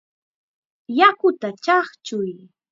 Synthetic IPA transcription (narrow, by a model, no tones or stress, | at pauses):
jakʊt̪at͡ʃɑχt͡ʃʊj